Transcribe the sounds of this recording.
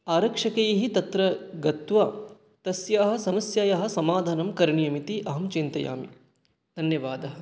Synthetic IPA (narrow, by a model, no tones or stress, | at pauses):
aːɾɐkʂɐkejɐɦit̪ɐt̪ɾɐɡɐt̪ʋaː | t̪ɐsjaːɦɐ̆sɐmɐsjaːjaɦɐ̆sɐmaːd̪ʱaːnɐmkɐɾɳijɐmit̪iʔɐɦɐmt͡ʃint̪ɐja̰ːmi | d̪ʱɐnjɐʋaːd̪ɐɦɐ̆